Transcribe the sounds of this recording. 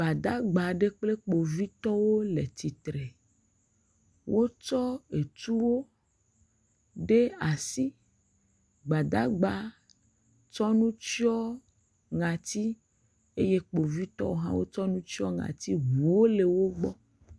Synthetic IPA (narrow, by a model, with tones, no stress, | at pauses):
ɡ͡ba˨d̪a˦ɡ͡ba˨ɖe˦k͡ple˦k͡po˨vi˦t̪ɔ˦wo˦le˨t̪i˨t̪ɾe˨ | wo˦t͡ʃɔ˦e˨t̪u˦wo˦ | ɖe˦a˨si˦ | ɡ͡ba˨d̪a˦ɡ͡ba˨ | t͡ʃɔ˦nũ˦t͡ʃi˦ɔ˦ | ŋã˨t̪i˦ | e˦je˦k͡po˨vi˦t̪ɔ̰˦wo˦ɦã̰˦wo˦t͡ʃɔ˦nũ˦t͡ʃi˦ɔ˦ŋã̰˨t̪i˦ɦu˨wo˦le˨wo˦ɡ͡bɔ˦